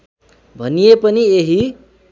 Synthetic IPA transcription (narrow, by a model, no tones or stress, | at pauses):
bʱʌnijepʌnieɦi